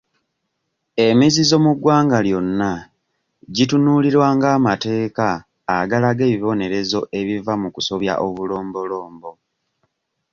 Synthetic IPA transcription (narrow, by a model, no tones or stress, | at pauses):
e̞mizizo̞muɡwaːŋɡaljo̞nːa | ɟitunuliɾwaːŋɡaːmate̞ːkaː | ɡalaɡe̞ːβiβo̞ne̞ɾe̞zo̞ʔe̞βivamukuso̞βja̰ʔoβulo̞ːmbo̞lo̞ːmbo̞